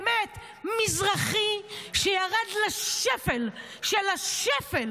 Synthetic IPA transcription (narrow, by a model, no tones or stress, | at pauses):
met̪ | mizʁaχiʃejaʁad̪laʃefel | ʃelaʃefel